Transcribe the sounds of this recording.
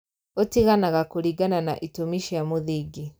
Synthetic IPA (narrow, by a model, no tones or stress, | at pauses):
otiɣanaɣakoɾiɡananaʔitomiʃijamoðiɡi